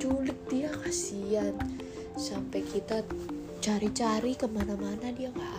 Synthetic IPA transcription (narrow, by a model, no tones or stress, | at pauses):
t͡ʃulɪk̪̚dijakasian | sampɛkit̪a | t͡ʃaɾit͡ʃaɾikəmanamanadijaŋa